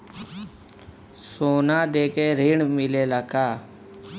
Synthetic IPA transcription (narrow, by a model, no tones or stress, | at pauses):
soːnaːd̪eːkeːɾiːɳmɪleːləkaː